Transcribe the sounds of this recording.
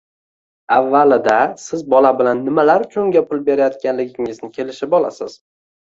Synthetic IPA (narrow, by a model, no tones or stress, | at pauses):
avːalɪd̪asɪzbɒlabɪlanːɪmalaɾkʲʰɵŋɡʲapʊlˠbe̞ɾajɒt̪̚kʲanlɪɡʲɪŋɪznɪkʲʰe̞lɪʃɪpɒlˠa̰sɪz̥